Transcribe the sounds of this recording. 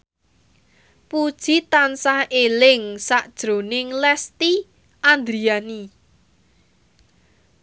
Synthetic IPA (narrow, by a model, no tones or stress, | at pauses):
pud̥ʒ̥it̪ansahelɪŋsaʔd̥ʒ̥ɾo̤nɪŋlɛst̪i | ʔand̪ɾiani